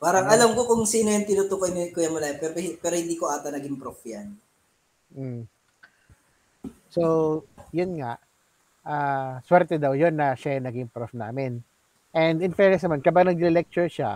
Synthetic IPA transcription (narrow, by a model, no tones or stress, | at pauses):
paːɾɐŋʔɐlamkokʊŋsinɐjɐnt̪ɪnʊt̪ukɐjnkojɐŋmɐlaːɛpɛɾɪpɛːɾohɪnd̪iːkoʔaːt̪ɐnɐɡɪmpɾofjan | m̩ | sojʊnŋaʔ | ʔaːswɛɾt̪ɛd̪ɐwjonːɐʃajɐŋnɐɡɪŋpɾofna̰ːmɪn | ʔɛnd̪ɪnfɛɹnɛs̬nɐmankɐbaɡ̚nɐɡ̚lɪlɪlɛk̚t͡ʃʊɹʃa̰